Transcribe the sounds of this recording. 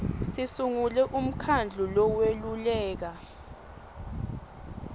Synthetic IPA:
sisuŋulɛʔum̩kʰand͡ɮʱulɔwelulɛːk̬a

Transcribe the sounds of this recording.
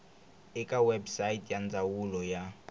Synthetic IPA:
ɪkʼawɛbsaitʼjand͡zawulɔja

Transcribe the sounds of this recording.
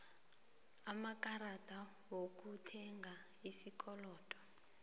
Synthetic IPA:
amakʼaɾadʱʼa | wok̬ʼutʰɛŋɡʱa | isikʼɔlɔːtʼɔ̥

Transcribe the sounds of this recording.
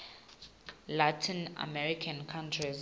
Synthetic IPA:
latʰĩna̰mɛɹikʰãnkʰãntʰɹiz

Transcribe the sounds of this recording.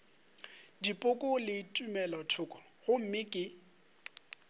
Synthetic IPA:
dipʼʊkʼʊlɪtʼumɛlɔtʰʊkʼɔ̥ɣʊm̩mɪkʼɪ

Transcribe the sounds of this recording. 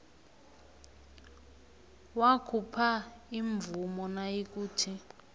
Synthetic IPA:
wakʰupʰaiɱvumɔnajik̬uːtʰi

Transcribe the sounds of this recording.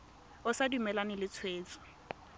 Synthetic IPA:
ʊsadumɛlanɪlɪt͡sʰweːt͡sɔ̥

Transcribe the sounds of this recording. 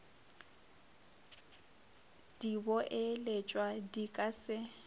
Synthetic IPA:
d̥ibɔʔɪlet͡ʃʼwadikʼasɪ

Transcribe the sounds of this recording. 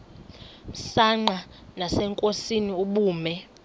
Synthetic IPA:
m̩saŋ͡ǃanasɛŋkʼosiniuɓuːmɛ

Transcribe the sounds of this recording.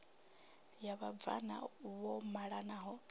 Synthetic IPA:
jaβab̪va̰na̰wɔmaɺanaːɦɔ

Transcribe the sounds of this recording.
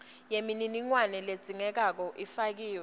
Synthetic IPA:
jemininiŋwanɛled̥z̥ʱiŋɛk̬ak̬ɔʔifak̬iːwɛ

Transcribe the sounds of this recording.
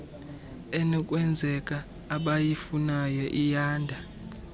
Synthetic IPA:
ɛnɔkʼwɛnd͡zʱɛkʼaː | ɓajifunajɔʔijaːndʱa

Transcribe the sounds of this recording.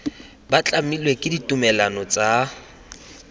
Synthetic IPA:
bat͡ɬʼamilwekʼɪditʼumɛlanɔt͡sʼa

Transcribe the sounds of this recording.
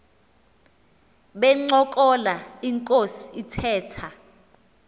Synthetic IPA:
ɓɛŋ͡ǀɔkʼɔlaiŋkʼosiːtʰɛːtʰa

